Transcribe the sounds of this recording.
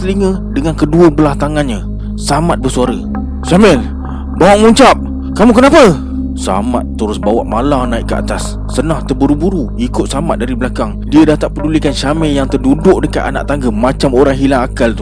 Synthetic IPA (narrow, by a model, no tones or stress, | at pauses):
səliŋə | dəŋankəduəbəlaht̪aŋanɲa | samat̪̚bərsuaɾə | samɛl | bawaʔmuɲt͡ʃap̚ | kamũkənapə | sa̰ma̰t̪ːəɾʊsbawa̰ʔmalanaiʔkːəa̰t̪asː | ənãht̪ərbuɾubuɾu | ikʊt̪̚samat̪̚daɾibəlakaŋdiədat̪aʔpədulikanʃamɛjaŋt̪ərdudʊʔ̚dəkat̪a̰na̰ʔt̪aŋɡəmat͡ʃamoɾaŋɦilaŋakalt̪u̥